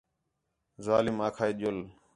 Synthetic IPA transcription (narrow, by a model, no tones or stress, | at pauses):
zaːlɪmaːkʰaːiɗol